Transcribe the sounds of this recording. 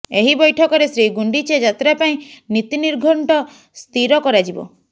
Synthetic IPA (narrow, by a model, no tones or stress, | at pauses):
eɦibɔjʈʰɔkɔɾesɾiɡuɳɖit͡ʃed͡ʒat̪ɾapaĩnit̪iniɾɡʱɔɳʈɔ | st̪iɾɔkɔɾad͡ʒibɔ̰